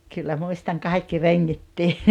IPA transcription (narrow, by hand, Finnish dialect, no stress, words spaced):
kylːæ muistɑŋ kɑikːi reŋːitːiː